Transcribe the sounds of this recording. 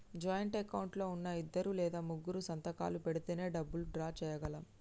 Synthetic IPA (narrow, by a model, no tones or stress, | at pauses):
d͡ʒaːjɐɳʈɐkɐwɳʈlo̞ːunːɐid̪ːɐɾulɛːd̪aːmuɡːuɾusɐnt̪ɐka̰ːlupeɽit̪eːne̞ːɖɐbːuluɖɾaːt͡ʃɛːjɐɡɐlɐm